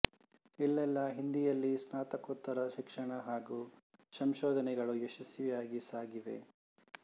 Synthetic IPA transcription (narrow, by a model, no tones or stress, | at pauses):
ilːɛlːɐɦind̪ijɐlːisnaːt̪ɐkot̪ːɐɾɐʃikʂɐɳɐɦaːɡuːsɐmʃoːd̪ʱɐnɛɡɐɭueʃɐsjjɐjaːɡisaːɡiʋḛ